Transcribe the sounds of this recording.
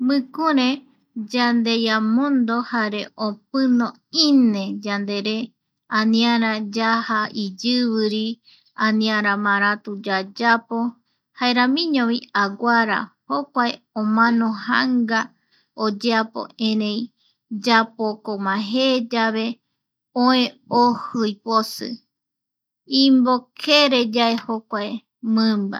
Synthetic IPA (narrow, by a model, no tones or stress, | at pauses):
mɨ̃kuɾẽ | d͡ʒand̪e̞jamõnd̪o̞haɾe̞ʔop̚ɨnõ | inẽd͡ʒand̪e̞ɾe | anĩaɾãd͡ʒahaid͡ʒɨβɨɾi | ãnĩãɾãmãɾ̃at̪ud͡ʒad͡ʒapo | haeɾamĩɲõβiaɡʷaɾa̰hokʷaeõmãnoha̰ŋɡa | od͡ʒeapo̰ẽɾẽj | d͡ʒapokomãɦed͡ʒaβe̞ | õẽohɨjposɨ̰ | ĩmbokʰeɾed͡ʒaehokʷae | mɨ̃mba̰